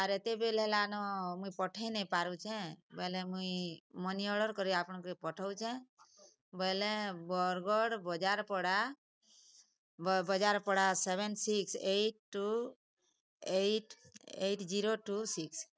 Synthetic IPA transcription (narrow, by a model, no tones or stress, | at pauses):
aɾet̪ebelɛlanɔmuipɔʈʰajnɛpaɾut͡ʃʰɛ̃bəɦlɛ̃muimɔniɔɽəɾkɔɾiapɳkɾipɔʈʰawt͡ʃʰɛ̃ | bəɦlẽbɔɾɡɔɽbɔd͡ʒaɾpɔɽa | bɔd͡ʒaɾpɔɽasebensikseʈ̚ːu | eʈḛʈʰd͡ʒiɾoʈusiks